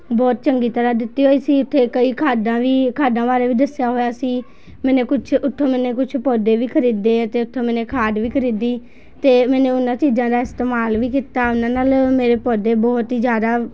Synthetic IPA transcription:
bɔːt̪t͡ʃəŋɡiːt̪əɾaːd̪ɪt̪ːiːɦoːiːsiːʊt̪ʰːeːkəiːkʰaːd̪ãːʋiːkʰaːd̪ãːʋaːɾeːʋiːd̪əsjaːɦoːjaːsiː | mɛːnẽːkʊt͡ʃʰʊt̪ʰːõːmɛːneːkʊt͡ʃʰpɔːd̪eːʋiːkʰəɾiːd̪eːət̪eːʊt̪ʰːõːmɛ̃ːnẽːkʰaːɖ̪ʋiːkʰəɾiːd̪iː | t̪eːmɛːnẽːʊnãːt͡ʃiːzãːd̪aːɪst̪eːmaːlʋiːkiːt̪aːʊnãːnaːlmeːɾeːpɔːd̪eːbɔːt̪ɦiːzjaːd̪aː

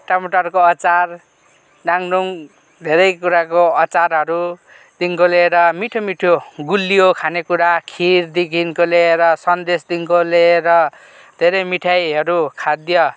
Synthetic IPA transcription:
ʈamoʈʌrkoʌt͡sar | naŋnuŋ | d̪ʱeɾʌjkuɾakoʌt͡saɾɦʌɾu | d̪̥iŋkoleɾʌmiʈʰomiʈʰjoɡulːijokʰanekuɾakʰiɾd̪ikʰinkoleɾʌsʌnd̪esd̪iŋkoleɾʌ | d̪ʱeɾʌjmiʈʰajɦʌɾukʰad̪jʌ

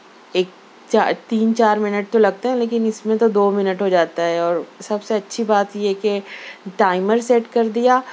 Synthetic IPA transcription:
eːk̚ | t͡ʃat̪iːnt͡ʃaːɾmɪnəʈ̚t̪olɐɡ̚t̪eɦɛ̃leːkɪnɪsmẽt̪od̪oːmɪnəʈɦod͡ʒaːt̪aɦɛɔːɾsɐbseɐtːʃʰibaːt̪jɛkeʈaːɪməɾseːʈkɐɾd̪ijaː

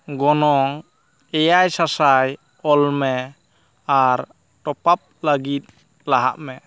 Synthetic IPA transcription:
ɡɔnɔŋ | ɛjajsasaj | ɔlmɛ | aɾ | ʈɔpap̚laɡit̪̚ | laɦa̰ʔmɛ

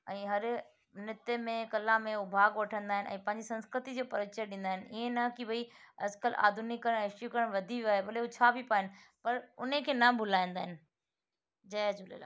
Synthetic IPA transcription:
ɛ̃ːɦɐɾ | nɪt̪emẽkɐlãmẽʊbʱaːɡʋɐʈʰə̃nd̪aːɦɪnɪʔɛ̰̃ːpɐ̃ɦɪɲd͡ʑisɐ̃nskɾɪt̪id͡ʑoːpɐɾɪt͡ɕəɗɪ̃ːnd̪aɦɪnɪɪɦẽnɐkiʋɐiɐd͡ʑkəlʔa̰ːd̪ʱunɪkːɐɾə̃ɽ̃ɪʃjukɐɾəɽ̃ʋɐd̪ʱiʋjuaːɦebɐleɦut͡ɕʰaːbʱipaːɦɪnɪ̆pɐɾʊ̰nekʰeːnɐbʱʊlaːĩnd̪aːɦɪnɪ̆ | d͡ʑɐd͡ʑulḛla̰ː

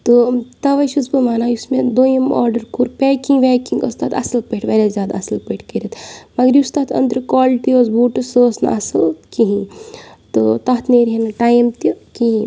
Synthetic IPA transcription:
t̪ot̪ɐʋɐʃusbɨmaːnaːjusmed̪ojimɔ̰ːɾɖɐɾkuːɾpɛːkĩʋeːkiŋɡɐ̰st̪aːt̪ɐ̰sɐlpeʈʰʋɐɾʲazʲjaːd̪ɐsɐlpəʈʰkɐɾɐt̪mɐɡɐɾjust̪aːt̪ʰɐ̰nd̪ɾɨkoːlʈ̪iosbuːʈɐsoːsnɐ̰ɐsɐlkiɦĩt̪o̰t̪ɐɦt̪neːɾɦenɐʈaːjmt̪jokiɦĩ

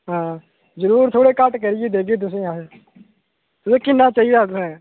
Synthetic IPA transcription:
ɦãː | zəɾuːɾt̪ʰoːɽeːkəʈkəɾɪjeːd̪eːkeːt̪̬ʊsĩːɦãː | t̪ʊsẽːkɪnːaːt͡ʃaːid̪aːt̪sẽː

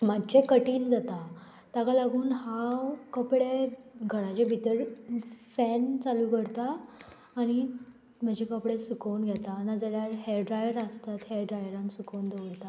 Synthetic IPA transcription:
madd͡ʑekəʈiːnd͡zat̪a | t̪akalaɡuːnhakəpɽeɡʱəɽat͡ɕebʱit̪əɾfɛnt͡saluːkəɽt̪aː | ɽ̃i | m̤əd͡ʑʱekəpɽesukəwnɡʱɛt̪anad͡zaljaɾɦɛɖɾajəɾəst̪at̪heɖɾajəɾãnsukəwnd̪eʋɽt̪a

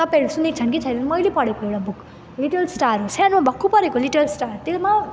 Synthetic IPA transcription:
t̪ʌpeɽusunek̚t͡ʃʰʌnkit͡sʰʌjɾenmʌjlepʌɽekoewʈabuk | liʈʌlsʈaɾɦosanmabʌkʰːupʌɾekoliʈɐlsʈaɾt̪ema

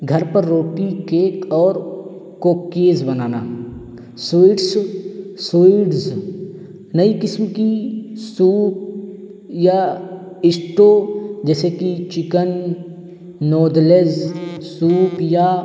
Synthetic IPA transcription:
ɡʱɐɾpəɾːoːʈikeːkɔːɾ | koːkːeːzbɐnaːna̰ː | soiɖssoiɖs | nəikɪsmkisuːp̚ | ja | ɪsʈoːd͡ʒɛːsekit͡ʃɪkən | ɔːd̪lezsuːpja

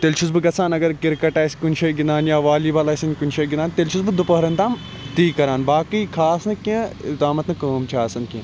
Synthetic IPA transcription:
t̪elt͡ʃʰusbɨɡɐt͡sʰaːnɐɡɐɾkiɾkɐʈaːskunʃʰɐjɡinaːnjaːʋaːliːbalaːsɐnkunʲʃʰɐɡinaːnt̪elt͡ʃʰusbɨd̪upɐɦɾɐnt̪aːm | t̪iːkɐɾaːnbaːkiːkʰaːsnɨkʲẽd̪aːmɐt̪nɨkɐːmt͡ʃʰaːsɐnkʲẽ

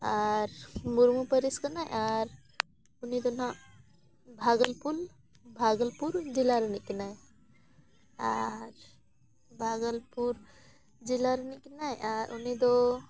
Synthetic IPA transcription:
aɾmuɾmupəɾiskənaj̰ʔaɾ | unid̪onã | bʱaːɡəlpul | bʱaɡəlpuɾd͡ʒilaɾnikinaj | aɾ | bʱaːɡəlpuɾ | d͡ʒilaɾnikinajʔaɾʔunid̪o

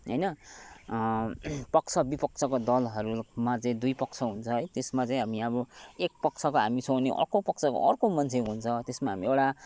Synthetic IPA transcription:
ɦʌjnʌ | pʌkt͡sʰʌbipʌk̚t͡sʰʌkod̪ʌlɦʌɾumat͡saĩd̪ujpʌkt͡sʰʌɦunt͡sʰʌɦʌjt̪esmat͡saĩɦamiʌβʌek̚pʌk̚t͡sʰʌkoɦamisowneʔʌ̰rkopʌk̚t͡sʰʌko̰ʔʌrkomʌnt͡sʰeɦunt͡sʰʌt̪esmaɦamiewʈa

